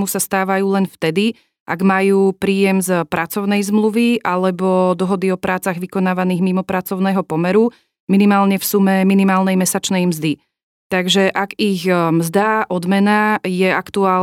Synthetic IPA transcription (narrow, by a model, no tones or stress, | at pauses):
musast̪aːʋajuːlɛnft̪ɛd̪i | ʔa̰ɡmajuːpɾiːjɛmzpɾat͡sɔʊnɛjzmluʋiʔalɛbɔd̪ɔɦɔd̪iɔpɾaːt͡saɣʋikɔnaːʋaniːɣmimɔpɾat͡sɔʊnɛːɦɔpɔmɛɾu | minimaːlɲɛfsumɛminimaːlnɛjmɛsat͡ʃnɛjmzd̪i | t̪aɡʒɛʔaɡiɣmzd̪aʔɔd̪mɛnajɛakt̪uaː